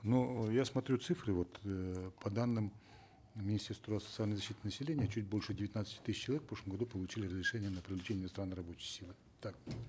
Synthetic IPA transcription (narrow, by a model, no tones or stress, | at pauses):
nojasmɐt̪ɾʲut̪sɨfɾɨvo̞t̪pɐd̪anːɨm | mʲɪnʲɪsʲtʲe̞rst̪vɾasə̥t̪sɨalʲnəɪzɐɕːit̪ɪnəsʲɪlʲenʲɪjət͡ɕut̚ʲbo̞lʲʂɨdʲɪvʲɪt̪ʲnat̪sə̥tʲɪ̥t̪ɨsʲɪt͡ɕːlˠɐvʲekfpɾoʂəmɡɐd̪upəlˠʊt͡ɕilʲɪrəzɾʲɪʂɛnʲɪjənəpɾʲɪvlʲɪt͡ɕenʲɪnɐst̪ɾanɨrɐbo̞t͡ɕɪjsʲilˠɨ | t̪ak̚